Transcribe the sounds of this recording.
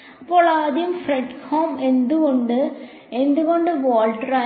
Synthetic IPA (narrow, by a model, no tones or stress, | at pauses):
ɐpːoːɭaːðijumfreɖhoːmend̪uɣoɳɖɨ | end̪uɣoɳɖɨʋoːlʈɾaː